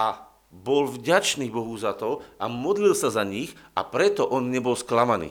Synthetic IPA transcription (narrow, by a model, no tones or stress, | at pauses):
a | bɔlvɟat͡ʃniːbɔɦuzat̪ɔamɔd̪lilsazaɲixʔa̰pɾɛt̪ɔʔɔnɲɛbɔlsklamanḭː